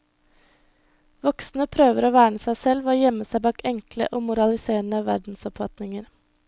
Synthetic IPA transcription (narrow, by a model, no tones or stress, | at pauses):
ʋɔksn̩əpʰɾøːʋəɾoːʋæːɳəsæɪsɛlʋoːjɛməsæɪbɑːkɛŋklə̰ʔoːmʊɾɑlɪseːɳəʋæɾɖn̩sɔpfɑt̪nɪŋəɾ